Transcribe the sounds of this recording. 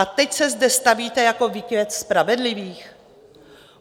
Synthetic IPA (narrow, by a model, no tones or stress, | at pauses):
at̪ɛcsɛzdɛst̪aviːt̪ɛjako̞vikɛt̪spɾavɛdlɪviːx